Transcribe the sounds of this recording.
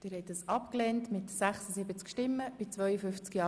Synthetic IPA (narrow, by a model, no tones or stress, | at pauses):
d̥ɪːɾhɛtdəsɑpklɛntmɪtsæχsəsɪbət͡skʃtɪmːəb̥ɪt͡svœʏəfʏft͡skjɑː